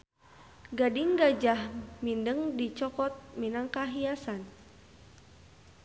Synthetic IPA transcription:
ɡadiŋɡad͡ʒahmindəŋdit͡ʃɔkɔt̪̚minaŋkaɦiasan

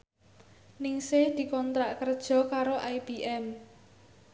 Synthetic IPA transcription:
nɪŋsɪhd̪̥i̤kɔnt̪ɾaʔkərd̥ʒ̥ɔ̤kaɾoʔajb̥iʔɛm

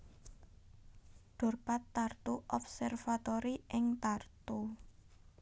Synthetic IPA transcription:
ɖ̥ɔ̤rpat̪ːart̪uʔɔp̚sɛrfat̪ɔɾiʔɪŋt̪art̪u

